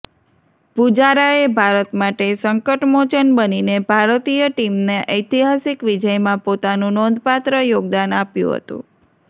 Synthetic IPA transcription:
pud͡ʒaɾaebʱaɾət̪maʈesəŋkəʈmot͡ʃənbəninebʱaɾt̪ijəʈimneʔəjt̪iɦasikʋid͡ʒəjmãpot̪anũnɔ̃nd̪pat̪ɾəjoɡ̚d̪anapjṵ̃ɦə̰t̪ṵ̃

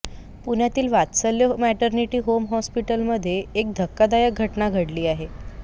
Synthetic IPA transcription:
puɳ̤jat̪iːlʋat̪səljəmɛʈəɾniʈiːɦomɦɔspiʈəlməd̪ʱːjeːk̚d̪ʱəkːad̪ajək̚ɡʱəʈnaɡʱəɽliːaɦe

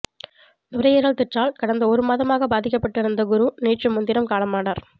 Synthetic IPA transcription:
nʊɾɐjɛɾɣɐɭt̪ɛʈraːlkɐɽɐnd̪ɐɔɾɯmaːðɐmaːɣɐbaːðɪk̬ːɐpːɐʈːɪɾɯnd̪ɐɡʊɾuneːʈrɯmʊnd̪ɪɾɐmkaːɭɐmaːɽaːɾ

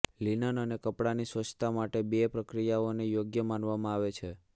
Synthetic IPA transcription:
linənənekəpɽanisʋət͡ʃʰt̪ʰamaʈebepɾəkɾijaonejoɡjəmanʋamãaʋet͡ʃʰe

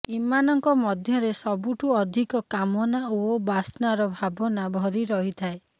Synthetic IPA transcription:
imanɔŋkɔmɔd̪ʱjɔɾesɔbuʈuɔd̪ʱikɔkamɔnaobasnaɾɔbʱabɔnabʱɔɾiɾɔɦit̪ʰae

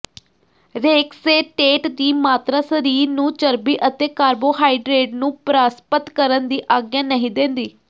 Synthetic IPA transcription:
ɾeːkseːʈeːʈd̪iːmaːt̪ɾaːsəɾiːɾnũːt͡ʃəɾbiːʔət̪eːkaːɾboːɦaːiɖɾeːʈnũːpɾaːspət̪kəɾənd̪iːʔaːɡjãːnəɦĩːd̪ẽːnd̪iː

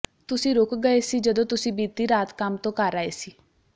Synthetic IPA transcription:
t̪ʊsĩːɾʊkɡəeːsiːd͡ʒəd̪õːt̪ʊsĩːbiːt̪iːɾaːt̪kəmt̪õːkaɾaːeːsiː

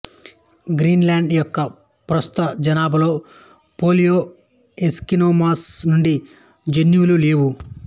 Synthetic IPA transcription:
ɡɾiːnlaːɳɖjɔkːɐ | pɾɐst̪u̥t̪ɐd͡ʒɐnaːbɐlo̞ː | po̞ːlijoː | eskinoːmaːsnuɳɖi | d͡ʒenjuːluleːwu

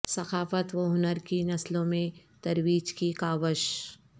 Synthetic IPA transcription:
sɐxaːfət̪ʋoɦʊnəɾkinɐslõmẽt̪ɐɾwiːd͡ʒkikaːʋəʃ

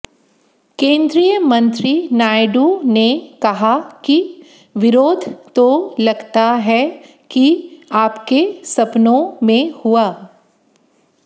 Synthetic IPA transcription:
kẽːnd̪ɾijəmɐ̃nt̪ɾinaːɪɖunekɐɦaki | ʋɪɾoːd̪ʱt̪olɐɡt̪aɦɛ | kiaːpkesɐpnõmẽhuaː

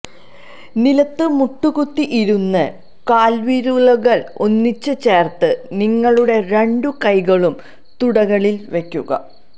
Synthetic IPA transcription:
nilɐt̪ːɨmuʈːuɣut̪ːiʔiɾunːɨ | kaːlʋiːɾuɭɐɣɐɭo̞nːit͡ɕːɨt͡ɕe̞ːrt̪ɨniŋːɐɭuɽe̞ɾe̞ɳɖukɐjɣɐɭum | t̪uɽɐɣɐɭilʋe̞kʲːuɣɐ̰

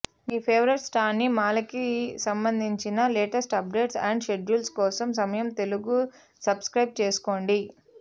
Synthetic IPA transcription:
miːpʰeːʋɐɾeʈsʈaːɾnimaːlɐkisɐmbɐnd̪ʱiɲt͡ʃinɐleːʈɐsʈɐp̚ɖe̞ːʈsɐ̰ɳɖʃe̞ɖuːlskɔːsɐms̬ɐmɐjɐmt̪e̞luɡu | sɐbskɾɐjb̚t͡ʃeːsu̥ko̞ːɳɖi

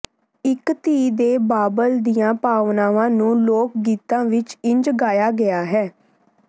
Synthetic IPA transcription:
ɪkt̪iːd̪eːbaːbəld̪ijãːpaːʋnaːʋãːnũːloːk̚ɡiːt̪ãːʋɪt͡ʃɪ̃ɲd͡ʒɡaːjaːɡɪaːɦɛː

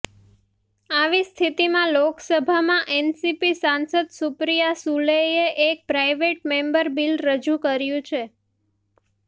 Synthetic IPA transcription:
aʋist̪ʰit̪imãloksəbʱamãʔensipisansəd̪supɾijasuleeʔek̚pɾaiʋeʈ̚mẽmbəɾbilɾəd͡ʒũkəɾjũt͡ʃʰe

